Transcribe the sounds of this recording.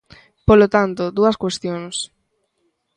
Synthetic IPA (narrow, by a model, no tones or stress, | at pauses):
polot̪ant̪od̪uɐskwest̪joŋs